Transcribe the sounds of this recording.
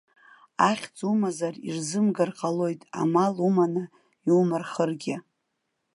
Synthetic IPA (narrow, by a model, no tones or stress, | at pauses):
aχʲt͡sʼumazarḭrzɨmɡarqʼalo̞jtʼa̰malumanɨ | iumɨrχərɡʲɪ